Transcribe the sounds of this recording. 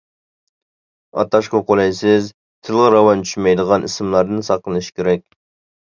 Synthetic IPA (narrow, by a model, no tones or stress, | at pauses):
ɑ̰t̪ɑʃqoqolˠɛjsɪz | t̪ʰɪlˠʁəɾɑwɑnt͡ʃʰy̥ʃmɛjd̪əʁɑnʔisɪmlˠɑɾd̪ɨnsɑqlˠɨnɨʃi̥kʲeɾɛkʲ